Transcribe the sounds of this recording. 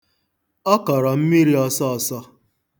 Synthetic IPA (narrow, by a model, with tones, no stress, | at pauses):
ɔ˦kɔ˨ɾɔ˨m̩˦mi˦ɾi˦ɔ˦sɔ˦ɔ˨sɔ˦